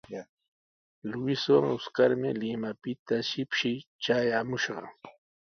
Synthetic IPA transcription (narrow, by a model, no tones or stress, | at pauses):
lʊɪswaŋʊskaɾmɪlɪmapɪt̪aʃɪpʃɪjt͡ʃajamʊʃɢɑ̰